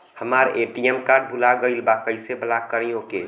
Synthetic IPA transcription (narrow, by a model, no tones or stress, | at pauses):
həmaɾeʈiɛmkaɖ̚bʱulaɡəɪlbakəɪsebəlakəɾijõke